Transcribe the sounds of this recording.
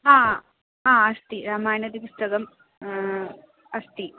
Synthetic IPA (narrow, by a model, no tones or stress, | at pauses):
ɦãː | ɦãːɐst̪iɾaːmaːjnɐd̪ipust̪ɐɡɐm | ɐst̪i